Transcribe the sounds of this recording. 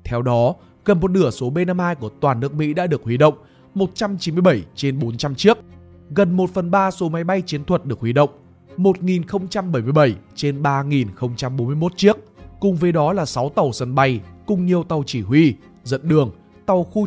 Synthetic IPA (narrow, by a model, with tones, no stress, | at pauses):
t̪ʰɛ˧wɗɔ˨˦ | ɣə˨˩nmo˨˩t̚nɨ˧˩əso˨˦ɓe˧naː˧mʔaː˧jku˧˩ət̪waː˨˩nːɨ˦˥ək̚mḭ˧˥ɗa̰ː˧˥ɗɨ˨˩ək̚hwi˧˩ɗə̰˧˨wŋ͡m | mo˨˩t̚t͡ɕa˧mt͡ɕi˨˦nmɨ˧əɓə˧˩jt͡ɕe˧nɓo˨˦nt͡ɕa˧mt͡ɕɨ˦˥ək̚ | ɣə˨˩nmo˨˩t̚fə˨˩nɓaː˧so˨˦ma˨˦jɓa˧jt͡ɕi˨˦ənt̪ʰwə˨˩t̚ɗɨ˨˩ək̚wi˧˩ɗə̰˧˨wŋ͡m | mo˨˩t̚ŋi˨˩nxə˧wŋ͡mt͡ɕa˧mɓə˧˩jmɨ˧əjɓə˧˩jt͡ɕe˧nɓaː˧ŋi˨˩nxə˧wŋ͡mt͡ɕa˧mɓo˨˦mɨ˧ə˧mo˦˥t̚t͡ɕɨ˦˥ək̚kʊ˨˩ŋ͡mvəː˨˦jɗɔ˨˦laː˨˩sa˨˦wt̪ə˨˩wsə˧nɓa˧jkʊ˧ŋ͡mɲi˨˩əwt̪a˨˩wt͡ɕi˧˩hwi˧ | zə̰˧˨nɗɨ˨˩əŋ | t̪a˨˩wxu˧